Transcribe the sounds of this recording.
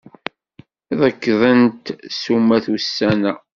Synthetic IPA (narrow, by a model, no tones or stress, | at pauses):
ðəkːðˤənt̪sumːæθusːænæ